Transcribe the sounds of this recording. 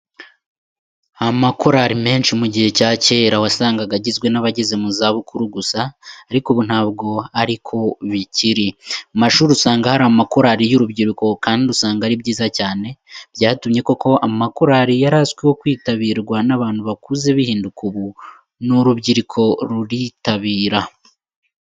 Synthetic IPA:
amako̞ɾaɾime̞ːnʃimuɟihe̞caːce̞ːɾawasaːŋɡaɡaɟizɡwe̞naβaɟeze̞muzaβukuɾuɡusaːɾikuβun̥haːbɡo̞aɾikʰo̞βiciɾimaʃuːɾiusaːŋɡahaɾamako̞ɾaɾijuɾubɟiɾiko̞kaːndiusaːŋɡaɾibɟiːzacaːne̞bjaːtumɲe̞ko̞ko̞amakoɾaɾijaɾaskwewo̞kwiːtaβiɾɡwanaβaːnhuβakuːze̞βihiːndukʰuβu | nuɾubɟiɾikʰo̞ɾuɾitaβiːɾa

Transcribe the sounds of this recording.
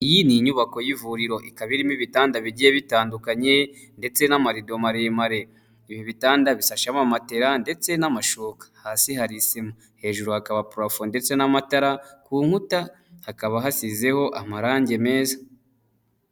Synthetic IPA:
ijiniɲuβako̞jivuɾiɾo̞ʔikaβiɾimiβitaːndaβiɟijeβitaːndukaɲe | nde̞t͡se̞namaɾido̞maɾemaɾe̞ | iβiβitaːndaβisaʃamamate̞ɾande̞t͡se̞namaʃoːkḁhaːsihaɾisima | he̞ːʒuɾuhakaβapuɾafonde̞t͡se̞namataɾakuːŋhuta | hakaβaɦasize̞ho̞ʔamaɾaːɲɟe̞me̞ːza

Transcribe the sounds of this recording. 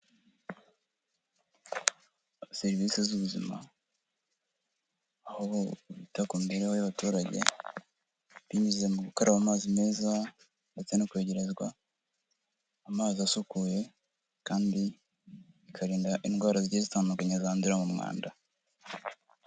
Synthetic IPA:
seɾivisezuβuzima̰ | hoβitakumbe̞ɾehojaβatuːɾaɟe̞̰ | βimize̞muɡukoɾʔaβamaːzime̞ːza | nde̞t͡se̞nokwe̞ɟe̞ɾe̞zɡwa | maːziasukuːje̞ | kaːndi | ikʰaɾiːndaʔinɡwaːɾaziɟezitaːndukaɲazaːnziɾamumŋa̰ːnda

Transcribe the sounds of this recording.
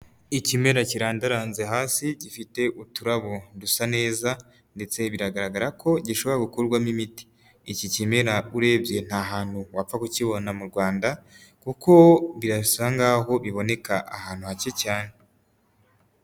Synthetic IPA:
icime̞ɾaciɾaːndaɾaːnze̞ɦaːsiɟifite̞ʔutuɾaβondusane̞ːza | nde̞t͡se̞βiɾaɡaɾaɡaɾako̞ɟiʃo̞βo̞ɾaɡukuɾɡwamimiti̥ː | cicime̞ɾauɾe̞ːbje̞n̥haɦaːn̥huwap͡fakuciβo̞namuɾɡwaːndakuko̞βiɾasaŋɡaɦo̞βiβo̞ne̞kaʔahaːn̥huhacecaːne

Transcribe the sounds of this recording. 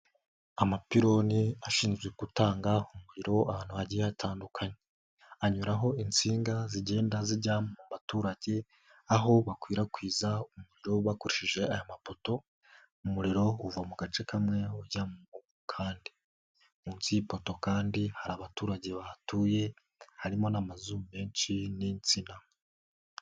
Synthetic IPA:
amapiɾo̞niaʃiːnzɡweɡutaːŋɡaumuɾiɾo̞ahaːn̥uβaɟijeatʰaːndukʰaɲe | aɲuɾaɦo̞int͡siːŋɡaziɟe̞ːndaziɾɟaːmmumatuːɾaɟe̞ | aɦo̞βakwiːɾakwiːzaumuɾiɾo̞βakoɾiʃiʒe̞ajomapo̞to̞ | umuɾiɾo̞uvamuɡat͡ʃe̞kʰamŋe̞uɟamuu | kʰaːndi | muːnt͡sipo̞to̞kaːndihaɾaβatuːɾaɟe̞βatuje̞ | haɾimo̞namazume̞ːnt͡ʃinint͡sina

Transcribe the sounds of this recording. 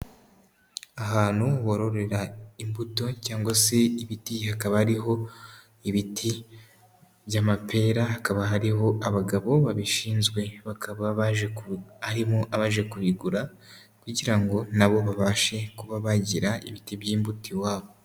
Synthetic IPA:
aɦaːnhuβo̞ɾo̞ɾe̞ɾaimbuto̞caːŋɡwase̞iβitihakaβahaɾiɦo̞ | iβitʰi | bɟamapʰe̞ːɾaɦakaβaɦaɾiɦo̞ʔaβaɡaβo̞βaβiʃiːnzɡwe̞βakaβaβaʒeaɾimoʔaβaʒe̞kuɾiɡuɾa | kuɟiɾaŋɡo̞naβo̞βaβaːʃe̞kuβaβaɟiɾaḭβitibjiːmbutiwaːβo

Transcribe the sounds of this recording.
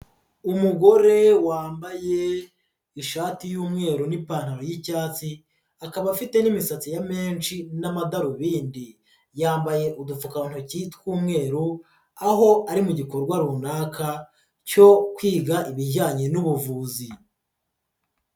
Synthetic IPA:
umuɡo̞ɾe̞waːmbaje̞ | iʃaːtijuːmŋe̞ːɾunipaːn̥haɾojicaːt͡si | akaβafite̞nimisat͡sijame̞ːnt͡ʃinamadaɾuβiːndi | jaːmbaje̞ʔudufukan̥ucitkuːmŋe̞ːɾu | aɦo̞aɾimuɟiko̞ɾɡwaɾunaːkʰa | co̞kwiːɡaʔiβiɟaːɲenuβuvuːzi

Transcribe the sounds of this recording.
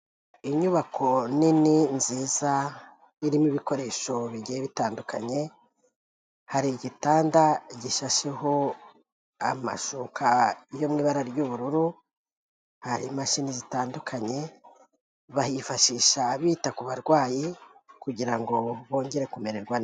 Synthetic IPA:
iɲuβakʰo̞nininziːza | iɾimuβiko̞ɾe̞ʃo̞βiɟeeβitaːndukʰaɲe̞ | haɾiɟitaːndaɟiʃaʃeho̞ | ama̰ʃukʰaijo̞mŋiːβaɾaɾɟuβuɾuɾu | haɾimaʃinizitaːndukʰaɲe̞ | βahifaʃiʃaβiːtakuβaɾɡwaːjikuɟiɾaŋɡo̞βo̞ːɲɟe̞ɾe̞kume̞ɾeɾɡwan

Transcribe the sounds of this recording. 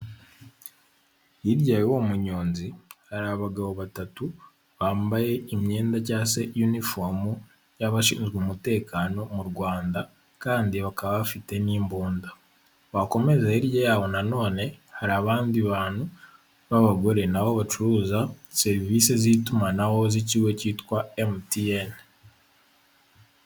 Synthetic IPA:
iɾɟajowo̞muɲo̞ːnzihaɾaβaɡaβo̞βatatu | βaːmbaje̞imɲe̞ːndacasejunifomu | jaβaʃḭːnzɡuːmute̞ːkaːno̞muɾɡwaːnda | kaːndiβakaβaβafite̞niːmbuːnda | βako̞me̞zeiɾjejaβo̞nano̞ːne̞haɾaβaːndiβaːnhu | βaβaɡoɾe̞naβoβat͡ʃuɾuːzase̞ɾiviːsezitumanaho̞ziciːwe̞citkwaemtien

